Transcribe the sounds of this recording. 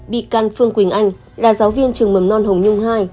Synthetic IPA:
ɓḭ˧˨kaː˧˩nfɨ˧əŋkwï˧˩ŋ̟ʔa˧jŋ̟ | laː˨˩zaː˨˦wvi˧ənt͡ɕɨ˨˩əŋmə˨˩mnɔ˧nɦə˨˩wŋ͡mɲʊ˧ŋ͡mhaː˧j

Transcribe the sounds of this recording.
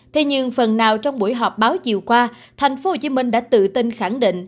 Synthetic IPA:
t̪ʰe˧ɲɨ˧ŋfə˨˩nːaː˨˩wt͡ɕɔ˧wŋ͡mɓṵ˧˩əjɦɔ˨˩p̚ɓaː˨˦wt͡ɕḭ˨əwkwaː˧ | t̪ʰa˨˩jŋ̟fo˨˦ho˨˧˩t͡ɕi˨˦mï˧ŋ̟ɗa̰ː˧˥t̪ɨ̰˧˨t̪i˧nxa˧˩ŋɗḭ̈˧˨ŋ̟ʔ

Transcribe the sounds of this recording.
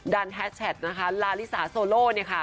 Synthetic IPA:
daː˧nɦɛː˦˥t̪̚t͡ɕʰɛ˨˩t̪̚na˦˥kʰa˦˥laː˧li˦˥saː˩˦soː˧loː˥˩ni˥˩ɐkʰa˥˩

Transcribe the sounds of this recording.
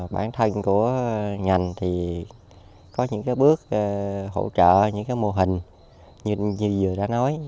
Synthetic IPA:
ɓa̰ː˧˩nt̪ʰə˧ŋku˧˩əŋa˨˩jŋ̟t̪ʰi˨˩ | kɔ˨˦ɲɨ̰˧˥ŋkaː˨˦jɓɨ˦˥ək̚ɦo̰˧˩t͡ɕə̰ː˧˨ɲɨ̰˧˥ŋkaː˨˦jmo˧ɦï˨˩ŋ̟ | ɲ˧ɲi˧˨˩zɨ˨˩əɗa̰ː˧˥nɔ˨˦j

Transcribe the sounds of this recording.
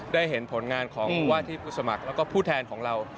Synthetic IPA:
daː˥˩jɦe˩˦npʰo˩˦nŋaː˧nkʰɔː˩˦ŋ˧waː˥˩t̪ʰiː˥˩pʰuː˥˩sa˧ma˨˩k̚lɛ˦˥wkɔː˥˩pʰuː˥˩t̪ʰɛː˧nkʰɔː˩˦ŋɾa˧w

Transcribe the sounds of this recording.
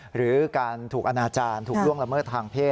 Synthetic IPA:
ɾɯː˩˦kaː˧nt̪ʰuː˨˩k̚ʔa˧naː˧t͡ɕaː˧nt̪ʰu˨kɾu˥˩əŋla˧mɤː˥˩t̪ʰːaː˧ŋpʰeː˥˩

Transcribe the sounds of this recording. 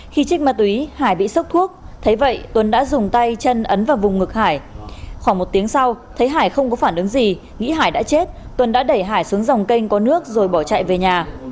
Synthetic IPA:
xi˧t͡ɕï˦˥k̟̚ma˨˩t̪wi˨˦haː˧˩jɓḭ˧˨sə˦˥k͡p̚t̪ʰu˦˥ək̚t̪ʰə˨˦jvə̰˧˨jt̪wə˨˩nɗa̰ː˧˥zʊ˨˩ŋ͡mt̪a˧jt͡ɕə˧nʔə˨˦nvaː˨˩wvʊ˨˩ŋ͡mŋɨ˨˩k̚haː˧˩jxwaː˧˩ŋmo˨˩t̚t̪i˨˦əŋsa˧wt̪ʰə˨˦jɦaː˧˩jxə˧wŋ͡mkɔ˨˦faː˧˩nʔɨ˨˦ŋzi˨˩ | ŋḭ˧˥ɦaː˧˩jɗa̰ː˧˥t͡ɕe˦˥t̚t̪wə˨˩nɗa̰ː˧˥ɗə˧˩jɦaː˧˩jsu˨˦əŋza˨˩wŋ͡mkə˧jŋ̟kɔ˨˦nɨ˦˥ək̚zo˨˩jɓɔ˧˩t͡ɕa̰˧˨jve˨˩ɲaː˨˩

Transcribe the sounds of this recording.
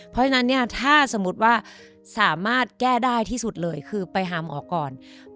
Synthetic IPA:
pʰɔ˦˥t͡ɕʰa˧na˦˥nːi˥˩ɐt̪ʰaː˥˩sa˨˩˦mu˦˥t̪̚waː˥˩ | saː˨˩˦maː˥˩t̪̚kɛː˥˩daː˥˩jt̪ʰiː˥˩su˨˩t̪̚lɤː˧jkʰɯː˧pa˧jɦaː˨˩˦mʔɔː˨˩kːɔː˨˩n

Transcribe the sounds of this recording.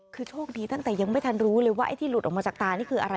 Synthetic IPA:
kʰɯː˧t͡ɕʰoː˥˩k̚diː˧t̪a˥˩ŋt̪ɛː˨˩ja˧ŋma˥˩jt̪ʰa˧nɾuː˦˥lɤː˧jwaː˥˩ʔa̰˧jt̪ʰiː˥˩lu˨˩ʔɔ˨˩mːa˧t͡ɕaː˨˩k̚t̪aː˧niː˥˩kʰɯː˧ʔa˧ɾa˧

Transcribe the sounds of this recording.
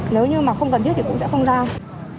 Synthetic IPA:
ne˨˦wɲɨ˧maː˨˩xə˧wŋ͡mkə˨˩ni˦˥t̚t̪ʰi˨˩kʊ̰˧˥ŋ͡msɛ̰˧˥xə˧wŋ͡mzaː˧

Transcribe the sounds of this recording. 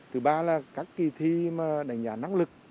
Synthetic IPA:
t̪ɨ˨˩ɓaː˧laː˨˩kaː˦˥kːi˨˩t̪ʰi˧maː˨˩ɗa˨˩jŋ̟ɗaː˧˩na˧˨ŋlɨ˨˩k̚

